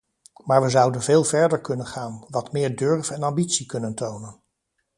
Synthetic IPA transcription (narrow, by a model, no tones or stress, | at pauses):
maːɹʋəzʌwdənveːlˠvɛɹdəɹkɵnənχaːnʋɑtmɪːɹdøɹvɛnɑmbitsikɵnəntownən